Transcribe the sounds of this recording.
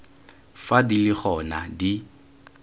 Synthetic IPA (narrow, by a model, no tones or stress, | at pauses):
fadilɪχɔnadi